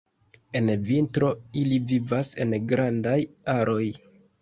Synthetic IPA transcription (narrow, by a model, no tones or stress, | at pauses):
e̞nvintɾo̞ilivivase̞̰nɡɾandajaɾo̞j